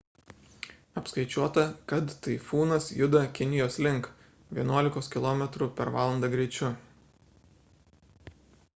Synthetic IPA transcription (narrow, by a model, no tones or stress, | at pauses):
ɐpskɐɪt͡ʃʲuɔt̪ɐkɐt̪t̪ɐɪfuːnɐsjʊd̪ɐkʲɪnʲɪjoːslʲɪŋk | ʋʲiɛnuɔlʲɪkoːskʲɪlˠoːmʲɛt̪ɾuːˑpʲɛɾʋɑːlˠɐnd̪ɑːɡɾʲɛɪt͡ʃʲʊ